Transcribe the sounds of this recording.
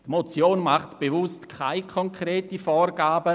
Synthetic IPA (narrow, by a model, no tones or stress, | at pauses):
dmot͡sjoːnmaχtb̥evʊstkʰaɪkʰɔŋkreːtifɔːɾɡ̥aːbə